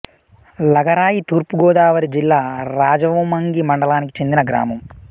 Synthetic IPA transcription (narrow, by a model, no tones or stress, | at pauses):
lɐɡɐɾaːjit̪uːɾpuɡɔːd̪aːʋɐɾid͡ʒilːaːɾaːd͡ʒɐʋumɐŋɡimɐɳɖɐlaːniki̥t͡ʃe̞nd̪inɐɡɾa̰ːmɐm